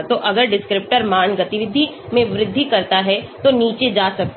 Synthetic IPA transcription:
t̪oʔɐɡəɾɖɪskɾɪp̚ʈəɾmaːɳɡɐt̪ɪʋɪd̪ʱːimẽʋɾɪd̪ʱːikɐɾt̪aɦɛt̪oniːt͡ʃed͡ʒaːsɐk̚t̪

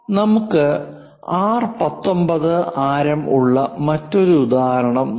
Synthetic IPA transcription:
nɐmukːɨ | aːrpɐt̪ːo̞mbɐðɨaːɾɐmṵɭːɐmɐtːo̞ɾuud̪aːɐɾɐɳɐm

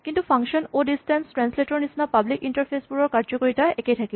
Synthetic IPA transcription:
kintupʰaŋkʃɔnodistɛnstɹansletɔɹnisnapablikintɐɹpʰesbuɹɔɹkaɹzɔkoɹitaɛkejtʰaki

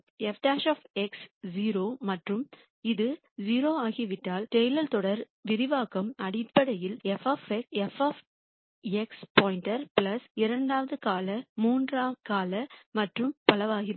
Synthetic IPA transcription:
ɛfʈaːʃaːfɛksd͡ʒiːɾoːmɐʈrɯm | ɪðɯ | d͡ʒiːɾoːaːɣiʋɪʈːaːlʈɛjlɐlt̪ɔɽɐɾ | ʋɪɾɪʋaːɣɐmɐɽɪpːɐɽɐjɪlɛfaːfɛɛfaːf | ɛkspoːɪnʈɐɾpɪlɐsɪɾɐɳɖaːʋɐðɯkaːlɐmuːndraːkaːlɐmɐʈrɯmpɐlɐʋaːɣɪ

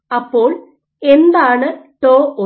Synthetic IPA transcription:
ɐpːo̞ːɭ | end̪aːɳɨʈoːo

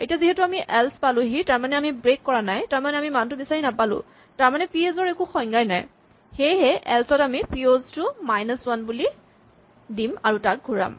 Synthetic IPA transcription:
ḛtijaziɦɛtuamiʔɛlspalʊ̃ɦitaɹmanɛamibɹekːɔɹanajtaɹmanɛamimantʊbisaɹinapalʊ̰̃ | taɹmanɛpiezɔɹɛkuxɔjŋɡajna̰j | xejɦɛʔɛlsɔtamipioztʊmajnəswanbuli | dimaɹutak̚ɡʱuɹa̰m

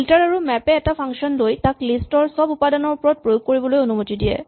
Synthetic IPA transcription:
ltaɹaɹumɛpɛːtapʰaŋsiɔnlojtaklistɔɹsɔbupadɔnɔɹpɹɔt̚pɹojoɡ̚koɹibɔlojonumotidijɛ̰

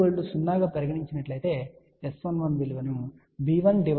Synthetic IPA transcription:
ɐɭːusunːaːɡaːpɐɾɐɡɐʈiɲt͡ʃinɐʈlɐjt̪e̞ː | esʋɐnʋɐnʋilʋɐnu | biːʋɐnɖiʋ

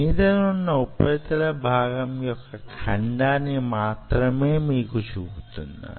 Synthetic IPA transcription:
id̪ɐnunːɐupɐt̪ɐlɐbʱaːɡɐmkijokːɐkʰɐɳɖaːnimaːt̪ɾɐmeːmikut͡ʃʰuɡt̪unːa̰

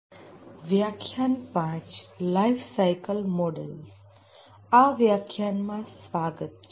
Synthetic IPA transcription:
ʋjakʰjanpãt͡ʃlaifsajkəlmɔɖə̰ls | aʋjakʰjanmãsʋaːɡət̪̚

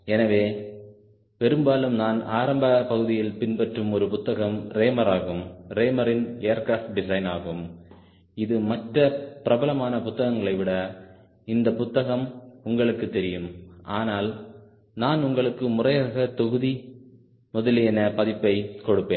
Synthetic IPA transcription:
ɛnɐʋeː | pɛɾɯmbaːlɯmnaːnaːɾɐmbɐpɐɣɯðɪjɪlpɪnpɐʈrɯmɔɾɯpʊt̪ːɐɣɐmɾeːmɐɾaːɣɯmɾeːmɐɾɪnejɐɾkɾaːfʈ̚ɖɪsɐɪnaːɣɯm | ɪðɯmɐʈrɐpɪɾɐbɐlɐmaːnɐpʊt̪ːɐɣɐŋɡɐɭɐɪʋɪɽɐ | ɪnd̪ɐpʊt̪ːɐɣɐmʊŋɡɐɭɯkːɯt̪ːɛɾɪjɯmaːnaːl | naːnʊŋɡɐɭɯkːɯmʊrɐjaːɣɐt̪ɔɣɯði | mɔðɐlɛnɐpɐðɪpːɐɪkɔɽɯpːeːn

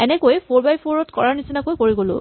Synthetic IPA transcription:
ɛnɛkojpʰoɹbajpʰoɹɔtkɔɹaɹnisinakojkoɹiɡolʊ̰

